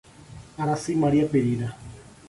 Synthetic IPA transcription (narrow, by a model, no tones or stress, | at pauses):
aɾasimaɾiapeɾiɾa